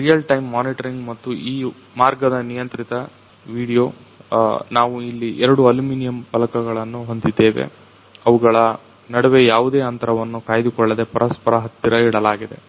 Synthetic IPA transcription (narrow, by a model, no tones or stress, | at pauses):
ɾijɐlʈɐjmːaːniʈɐɾiŋɡmɐt̪ːuʔiː | maːɾɡɐd̪ɐnijɐnt̪ɾit̪ɐ | ʋiːɽijoː | naːʋuilːiʔɛɾɐɽuɐluminijɐmpɐlɐkɐɡɐɭɐnːuɦo̞nd̪id̪ːe̞ːʋḛ | ɐʋuɡɐɭɐ | nɐɽɐʋe̞jaːʋud̪e̞ːɐnt̪ɐɾɐʋɐnːukaːjɐd̪ukɔɭːɐd̪e̞pɐɾɐspɐɾɐɦɐt̪ːiɾɐiɽɐlaːɡid̪e̞̰